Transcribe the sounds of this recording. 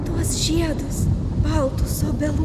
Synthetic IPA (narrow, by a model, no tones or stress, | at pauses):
t̪uɔsʒʲiɛd̪ʊs | bɐlˠt̪ʊsoːbʲɛlˠu